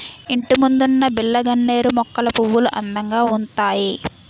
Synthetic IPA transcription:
iɳʈimund̪unːɐbilːɐɡɐɳːe̞ːɾumɔkːɐlɐpuʋːuluʔɐ̰nd̪ɐŋɡaːunt̪aːji

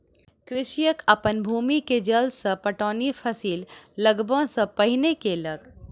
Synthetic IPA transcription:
kɾɪʃjəkəpənbʱuːmiked͡ʒəlsə̃pəʈɔːnipʰəsiːlːəɡbʱə̃sə̃pəɦinekeləɡ

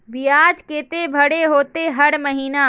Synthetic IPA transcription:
bijaːd͡ʒkeːt̪ebʱɐɽeɦoːt̪eɦɐɽmɐɦiːnaː

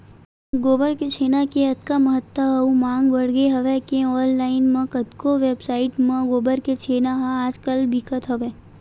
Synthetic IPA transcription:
ɡoːbəɾket͡ʃʰeːnakeɐt̪kamɐɦət̪ːəɦɐumãːŋɡbɐɽɡeɦɐʋekeɔːllaːɪnmɐ̃kət̪koʋeːbsaːɪʈmẽɡoːbəɾket͡ʃʰeːnaɦaaːd͡ʒkəlbʱikʰət̪ɦɐʋeː

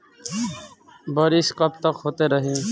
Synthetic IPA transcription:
bəɾɪskəp̚t̪əkɦoːt̪eːɾəɦẽː

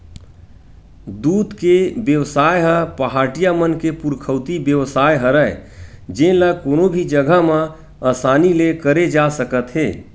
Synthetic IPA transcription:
d̪uːd̪kebjəʋsaːjɦəpəɦaːʈijamənkepuɾkʰəːt̪ibjəʋsaːjɦəɾəe | d͡ʒẽləkoːnobʱid͡ʒəɡʱəmã | aːsaːnilekəɾed͡ʒasəkət̪ɦeː

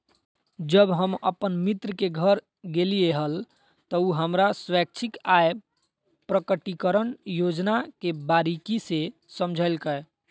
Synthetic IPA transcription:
d͡ʒəbɦəmə̰pənmit̪ɾəkeɡʱəɾ | ɡelieɦəl | t̪əuɦəmɾaswɛk̚t͡ʃʰikaje | pɾəkəʈikəɾənjod͡ʒnakebaɾikise | səmd͡ʒʱəlkəj

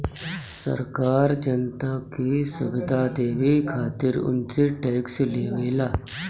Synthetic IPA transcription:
sə̰ɾkaːɾd͡ʒɐnt̪akisʊʋɪd̪ʱad̪eːʋikʰaːt̪ɪɾʊ̰nt͡ʃeʈɛːksleːʋeːlaː

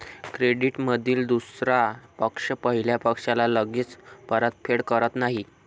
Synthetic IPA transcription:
kɾeɽiʈməd̪ʱiːld̪usɾapəkʂəpəɦiljapəkʂalaləɡit͡spəɾət̪̚fʰeɽkəɾət̪naɦi

